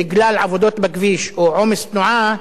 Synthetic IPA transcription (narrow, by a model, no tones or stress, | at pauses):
ɪɡlaːlʕavod̪oːt̪bakviːʃuʕoːmɪst̪nʊʕaː